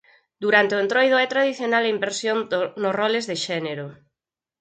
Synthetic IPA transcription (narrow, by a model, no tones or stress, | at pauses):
d̪uɾant̪eoent̪ɾojðʊɛt̪ɾaðiθjonalɐimbeɾsjonnʊrɔlezðeʃɛneɾʊ